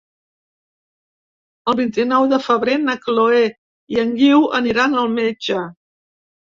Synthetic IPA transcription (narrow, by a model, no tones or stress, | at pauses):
əlˠβint̪inɔwðəfəβɾenəkloe | iəŋɡiwə̰niɾanəlˠmed͡ʒə